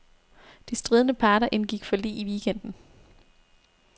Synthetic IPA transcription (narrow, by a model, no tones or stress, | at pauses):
d̥isd̥ʁiːð̞ˠənəpʰɑ̈ːɾɐʔe̝nɡ̥iɡ̥fɒ̽lḭːiʋiːɡ̥en̰d̥n̩